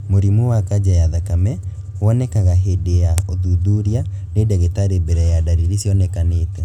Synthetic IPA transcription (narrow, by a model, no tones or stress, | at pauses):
moɾimuwakad͡ʒajaðakamɛ | oɔnɛkaɣaɦedeaoðuðuɾja | nedɛɣetaɾebɛɾɛjadaɾiɾisjɔnekaneːtɛ